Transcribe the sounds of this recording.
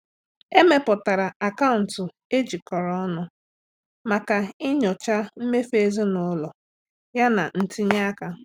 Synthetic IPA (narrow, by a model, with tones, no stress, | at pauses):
e˦me˦pʊ˨ta˨ɾa˨a˨ka˦ʊ˨n̩˨tʊ˨ | e˦d͡ʒi˨kɔ˨ɾɔ˦nʊ˦ | ma˨ka˨ɪ˦ɲɔ˨t͡ʃa˦m̩˦me˦fe˦˨zi˦nʊ˨˦lɔ˨ | ja˦na̰˨n̩˦ti˦ɲ˦a˦ka˦